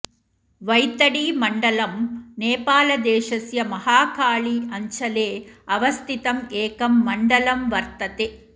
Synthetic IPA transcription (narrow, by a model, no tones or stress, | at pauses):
ʋɐjt̪ɐɽimɐɳɖɐlɐmneːpaːlɐd̪eːʂɐsjɐmɐhaːkaːɭiɐɲt͡ʃɐleːɐʋɐst̪it̪ɐmeːkɐmːɐɳɖɐlɐmʋɐɾt̪ɐt̪e